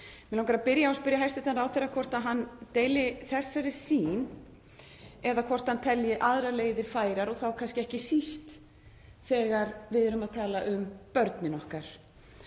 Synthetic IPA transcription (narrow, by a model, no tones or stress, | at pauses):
mɛlawŋkaɾapɪɾjaɔspɪɾjaɦajst̪ɪt̪anɾawθejɾakʰɔr̥t̪aðɦant̪eːjlɪθɛsːaɾɪsiːn | ɛðakʰɔr̥t̪hant̪ʰɛljɪʔaðɾaleːjðɪɾ̥faːjɾaɾɔθawkʰanscɪɛhcɪsist̪ | θɛːɣaɾvɪðʏɾʏmaðt̪ʰaːlaʔʏmpœɾt̪nɪnɔhkaɾ̥